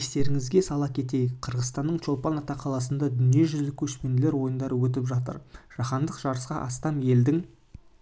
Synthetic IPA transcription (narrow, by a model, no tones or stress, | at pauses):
st̪e̞ɾɪŋɪzɡʲesɑlˠɑpkʲʰe̞t̪e̞jɪkqʰəɾʁəzt̪ɑnːəɴʃo̞lˠpɑnɑt̪ɑqʰɑlˠɑs̬ənd̪ɑd̪ʏnije̞ʒʏzlɪkʲʰɵʃpend̪ɪle̞ɾwo̞jənd̪ɑɾəwɵt̪̬ɪpʒɑt̪ə̰ɾʒ̥ɑχɑnd̪əqʒ̥ɑɾəsqɑʔɑst̪ɑmje̞ld̪ɪŋ